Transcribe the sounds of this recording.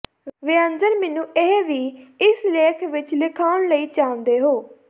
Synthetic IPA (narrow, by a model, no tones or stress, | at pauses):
ʋɪənd͡ʒəɾmɛːnũːʔeɦʋiːɪsleːkʰʋɪt͡ʃlɪkʰaːʊɳləiːt͡ʃãːnd̪eːɦoː